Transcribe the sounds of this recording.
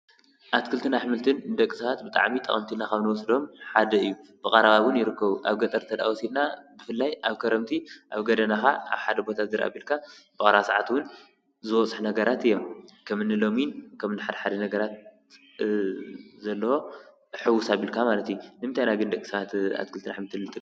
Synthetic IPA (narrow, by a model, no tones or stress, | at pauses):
ʔat̪kʰɨlt̪ʰɨnaħmɨlt̪ʰɨnd̪ɐkʼːɨsaɣat̪̚bɨt̪ʼa̰ʕmit̪ʼɐ̰χʼɐmt̪ʰinakɐβnɨwɔsd̪o̞mħad̪ɐɨjːub̥ɨkʼɐɾaβawʊnjɪɾɨkːɐβuʔa̰βɡɐt̪ʼɐɾt̪ʰɐd̪a̰wɔsid̪nabɨfɨlːajaβkʰɐɾɐmt̪ʰiʔaβɡɐd̪ɐnaxaa̰βħad̪ɐbo̞t̪ʰazɨɾʔa̰bilkʰabɨkʼɐɾasaʕat̪wʊn | zɨwɔt͡sʼħnɐɡɐɾat̪ɨjːo̞mkʰɐmɨnːɨlo̞minkʰɐmnɨħad̪ɐħad̪ɐnɐɡɐɾat̪ | zɐlːɐho̞ | ħɨwːʊsaβilkʰamalɐt̪junɨmt̪ʰajnaɡɨnd̪ɐkʼːi̥sɣat̪a̰t̪̚kʰɨlt̪ʰɨnaħmɨlt̪ɨnt̪ʰːɨ